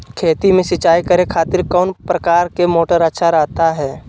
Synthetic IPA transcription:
kʰeːt̪imẽsɪt͡ʃaːikəɾekʰaːt̪ɪɾkɔːnpɾəkaːɾkemoːʈəɾətːʃʰaɾɐɦt̪aɦɛː

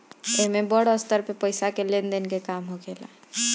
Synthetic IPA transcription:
eɦmebəɽəst̪əɾpepəjsakelend̪enkekamɦoɡela̰

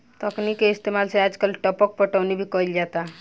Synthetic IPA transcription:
t̪əknikeist̪emalsead͡ʒkalʈɔpɔk̚pɔʈəwnibʱikɔjld͡ʒat̪a

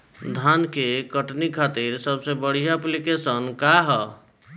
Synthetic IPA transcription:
d̪ʱankekəʈnikʰat̪iɾsəbsebəɽ̤ijaːplikesənkaɦɛ

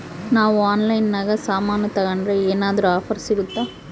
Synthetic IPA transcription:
nãːaːnlɐɪnːɐɣɐsaːmaːnɐt̪ɐɣɐɳɖɾɐeːnːaːd̪ɾɯaːfɐɾsɪɣɯt̪ːãː

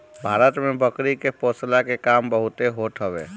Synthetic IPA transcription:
bʱaːɾət̪mẽbəkɾikepoːslakekaːmbəɦʊt̪eɦoːʈʰəʋḛ

